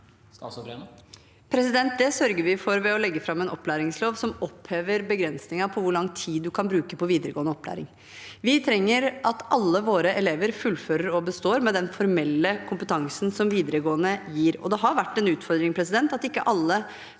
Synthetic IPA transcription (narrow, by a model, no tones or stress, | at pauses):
pʰɾɛsɪd̪ɛnt̪̚d̪ɛsœɾɡəɾʋɪfɔɾʋɛɔlɛɡːəfɾɑmːɛnɔpːlæːɾɪŋsloːʋsɔmɔpːheːʋəɾbəɡɾɛnsnɪŋɑpʰɔʋʊɾɭɑŋt̪ʰiːd̪ːʉkʰɑnbɾʉːkəpɔʋiːd̪əɾəɡoːənəɔpʰːlæ̰ːɾɪ̰ŋ | ʋɪt̪ʰɾɛŋːəɾʔɑt̪ɑlːəʋoːɾəʔɛleːʋəɾfʉlføːɾəɾɔbəst̪oːɾmɛd̪ɛnfɔɾmɛlːəkʰʊmpət̪ʰɑŋsnsɔmʋiːd̪əɾəɡoːənəjiːɾɔ̰d̪ɛɦɑɾʋæʈːɛnʉːt̪fɔɾd̪ɾɪŋpʰɾɛsɪd̪ɛnt̪ɑt̪ɪkːəʔɑlːə